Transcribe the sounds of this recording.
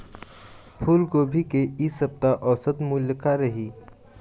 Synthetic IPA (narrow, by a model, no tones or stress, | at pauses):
pʰuːlɡoːbʱikeisɐb̚t̪aʔɔːsət̪muljəkaɾɐɦiː